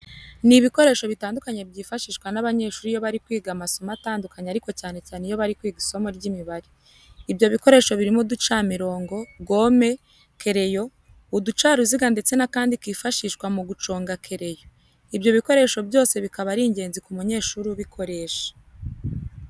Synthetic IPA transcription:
niβiko̞ɾe̞ːʃo̞βitaːndukaɲebɟiːfaʃiːʃkwanaβaɲe̞ːʃuːɾijo̞βaɾikwiːɡamaso̞mataːndukaɲeaɾiko̞caːne̞caːnejo̞βaɾikwiːɡiso̞moɾɟimiβaɾiː | bjo̞βiko̞ɾe̞ːʃo̞βiɾimudut͡ʃamiɾo̞ːŋɡo̞ɡo̞ːme̞ | kʰe̞ɾe̞jo̞ | udut͡ʃaːɾuziɡande̞t͡se̞nakaːndikwiːfaʃiʃkwamuɡut͡ʃo̞ːŋɡakʰe̞ɾe̞jo̞ | ibjo̞βiko̞ɾe̞ːʃo̞bjo̞ːse̞βikaβaɾiɲɟe̞ːnzikumuɲe̞ːʃuːɾuβikʰo̞ɾe̞ːʃḁ

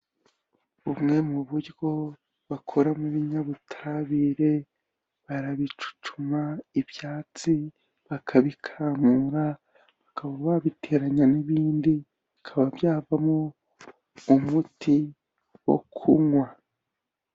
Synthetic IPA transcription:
umŋe̞muβuɾɡo̞ | βakʰo̞ɾamuβiɲaβutʰaɾaβiɾe̞ | βaɾaβit͡ʃu̥t͡ʃumaibjaːt͡si | βakʰaβikʰaːmuɾa | βakaβaβaβite̞ːɾaɲaniβiːndi | βikʰaβabjaːvamo | umuti | wo̰kʰuŋwa

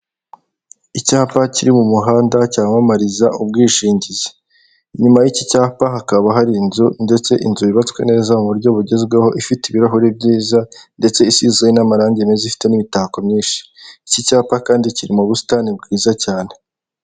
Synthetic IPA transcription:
icaːpaciɾimumuɦaːndacaːmamaɾizaʔub̚ɡiːʃiːɲɟize | ɲumajicicaːpaɦakaβaɦaɾinzunde̞t͡se̞ʔinzuβiβat͡skwe̞̰ne̞ːzamuβuɾɟo̞βuɾɟe̞zɡweho̞ʔifitiβiɾaɦuɾib̚ɟiːzande̞t͡se̞isizɡainamaɾaːɲɟemezifi̥te̞nimitakomɲiːnʃi̥icicaːpakaːndiciɾimuβusi̥tanib̚ɡiːzacaːne̞

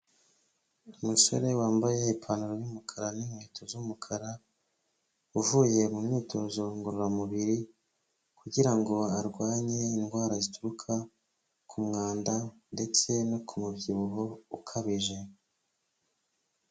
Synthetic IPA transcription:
umuso̞̰ɾe̞waːmbajeipʰanuɾojumukʰaɾanimweːtʰozumukʰaɾa | uvuje̞mumɲiːtʰo̞zo̞ŋɡoɾuɾamuβiɾi | kuɟiɾaŋɡo̞aɾɡwaːɲe̞inɡwaːɾazituɾukʰa | kʰumŋaːndande̞t͡se̞nokʰumubɟiβuɦo̞ukʰaβiʒe̞

